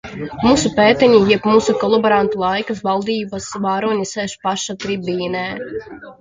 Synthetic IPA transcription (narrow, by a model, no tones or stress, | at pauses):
muːsupeːt̪ɛɲijɛpmuːsukɔlˠɔbɔɾant̪ulˠajkasvalˠd̪iːbasvaːɾuɔɲʲisɛːʃpaʃat̪ɾibiːnɛː